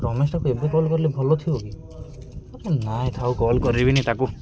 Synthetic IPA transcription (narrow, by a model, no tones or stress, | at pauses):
ɾɔmesʈakuebekɔlkɔɾilebʱɔlɔt̪ʰioɡi | ɔɾenaet̪ʰawkɔlkɔɾibinit̪aku